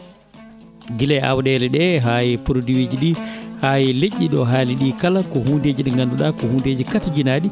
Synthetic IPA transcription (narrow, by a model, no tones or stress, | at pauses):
ɡilɛa̰wɗɛːlɛɗɛɦajɛpuɾdiwed͡ʒiɗihaːjileʔːiɗɔɦaːliɗiːkalakɔɦunded͡ʒiɗɛŋɡanduɗakɔhuːndeːd͡ʒikatd͡ʒinaːɗi